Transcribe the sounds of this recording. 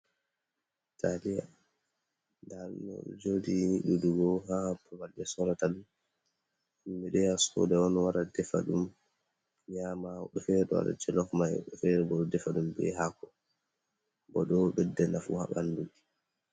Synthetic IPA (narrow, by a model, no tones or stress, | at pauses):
tʰalija | ndaɾnɔ̰ɗɔ̰d͡ʒodiniɗuduɡɔhapɔwald͡ʒɛsɔɾatal | umbɛɗɛjasɔ̰dɛɔnwaɾadɛfa̰ɗum | ɲamaɔɗɔfɛɾɛɗɔwa̰ɾa̰d͡ʒɛlɔkmaɛ̰uɗɔfɛɾɛbɔɗdɛfaɗumbɛ̰ɦakɔ | bɔɗɔɓɛdːɛnafṵha̰ɓandui